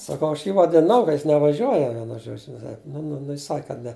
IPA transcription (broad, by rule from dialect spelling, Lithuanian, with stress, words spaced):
sɐˈkɐʊ ɐʃ ˈjiː ʋɐdʲɪˈnɐʊ kɐ jɪs nʲɛʋɐˈʒʲuɔjɛ ˈʋʲiɛnʊ ˈʒoːd͡ʒʲʊ nʊ nʊ ˈnʊ ˈjɪs ˈsɐk kɐt ˈnʲɛ